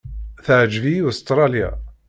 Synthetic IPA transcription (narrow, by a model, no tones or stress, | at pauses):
θəʕd͡ʒvist̪ɾˤɑlja̰